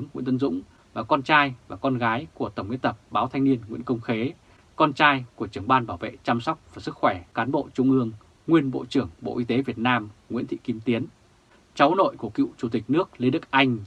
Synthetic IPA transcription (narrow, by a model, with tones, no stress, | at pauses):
ŋŋwḭ˧ənt̪ə˧nzʊ̰˧˥ŋ͡m | vaː˨˩kɔ˧nt͡ɕaː˧jvaː˨˩kɔ˧nɣaː˨˦jku˧˩ət̪ə˧˩wŋ͡mwḭ˧˥ənt̪ə˨˩p̚ɓaː˨˦wt̪ʰa˧jŋni˧ənŋḭ˧˥nkə˧wŋ͡mxe˨˦ | kɔ˧nt͡ɕaː˧jku˧˩ət͡ɕɨ˧˩əŋɓaː˧nɓaː˧˩wvḛ˧˨t͡ɕaː˧msa˦˥wk͡p̚vaː˨˩sɨ˦˥k̚xwɛː˧˩kaː˨˦nɓo̰˧˨t͡ɕʊ˧ŋ͡mʔɨ˧əŋ | ŋwi˧ənɓo̰˧˨t͡ɕɨ˧˩əŋɓo̰˧˨ʔi˧t̪e˨˦vi˨˩ət̚naː˧mŋwḭ˧˥t̪ʰḭ˧˨ki˨˦mt̪i˨˦ən | t͡ɕa˨˦wno̰˧˨jku˧˩əkḭ˧˨wt͡ɕu˧˩t̪i˨˩k̟̚nɨ˦˥ək̚lnɗɨ˨˩˦k̚ʔa˧jŋ̟